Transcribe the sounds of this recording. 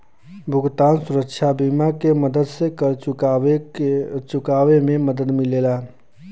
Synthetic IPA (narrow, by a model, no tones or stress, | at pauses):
bʱʊɡt̪aːnsʊɾəkʃʰabimakeməd̪əd̪sekəɾ | t͡ʃʊkaːwemẽməd̪əd̪mɪleːla